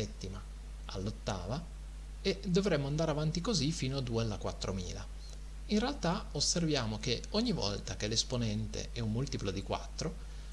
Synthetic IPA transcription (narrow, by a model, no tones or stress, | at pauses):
ɛt̪ːima | ʔa̰lːot̪ːaːva | ed̪ovɾemːoand̪aːɾeavant̪ikozifiːnoad̪uːealːakwat̪ːɾomiːla | inrealt̪aosːervjaːmok̟eoɲːivɔ̰lt̪akelesponɛnt̪ḛɛumːult̪iplod̪ikwa̰t̪ːɾo